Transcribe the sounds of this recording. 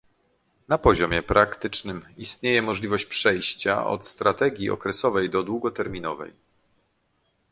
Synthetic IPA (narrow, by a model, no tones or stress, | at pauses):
napɔʑɔmʲjɛpɾakt̪ɘt͡ʂnɘmist̪ɲejɛmɔʐlʲivɔɕt͡ɕpʂɛjɕt͡ɕa̰ʔɔ̰t̪st̪ɾat̪ɛɡʲjiɔ̰kɾɛsɔvɛjd̪ɔd̪wuɡɔt̪ɛɾmʲinɔvɛ̰j